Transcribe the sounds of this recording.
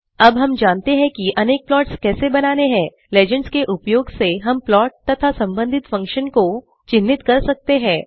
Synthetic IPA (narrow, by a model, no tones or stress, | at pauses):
ɐbɦɐmd͡ʒaːnt̪eɦɛ̃kiʔɐneːk̚plɔːʈskɛːsebɐnaːneɦɛ̃ː | leːd͡ʒə̃ɳɖskeʔʊpjoːɡseɦɐmplɔːʈ̚t̪ɐt̪ʰasɐ̃mbə̃nd̪ʱɪt̪fɐ̃ŋkʃənko | t͡ʃɪnːɪt̪kɐɾsɐk̚t̪eɦɛ̃ː